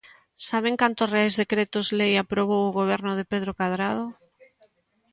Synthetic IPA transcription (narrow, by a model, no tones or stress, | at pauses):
saβ̞eŋkant̪ʊsreajzðekɾet̪ʊzlejapɾoβ̞owʊɣoβɛɾnʊðepeðɾokaðɾað̞o